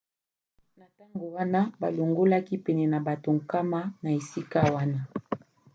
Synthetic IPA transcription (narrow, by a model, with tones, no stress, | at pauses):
na˨ta˦ŋɡo˨wa˦na˦ba˨lo˨ŋɡo˦la˦ki˦pɛ˨nɛ˨na˨ba˨to˨ŋ˨ka˦ma˦na˨e˨si˦ka˦wa˦na˦